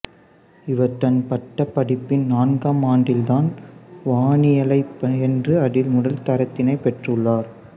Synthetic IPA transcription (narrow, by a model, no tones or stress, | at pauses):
ɪʋɐɾt̪ːɐnpɐʈːɐpːɐɽɪpːɪnnaːnɡaːmaːɳɖɪld̪aːnʋaːɳɪjɐlɐɪpɐɛndrɯɐɽɪlmʊɽɐlt̪ɐɾɐt̪ːɪnɐɪpːɛʈrɯɭːaːɾ